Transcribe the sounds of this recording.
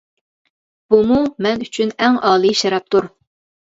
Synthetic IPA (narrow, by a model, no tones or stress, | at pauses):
b̥umumɛnyt͡ʃʰynɛŋɑːlˠɨʃɛɾɑp̚t̪uɾ